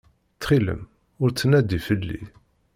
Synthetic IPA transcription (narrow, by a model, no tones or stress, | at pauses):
t͡sːχilə̰m | ʊɾt͡sːənæd̪ifəlːḭ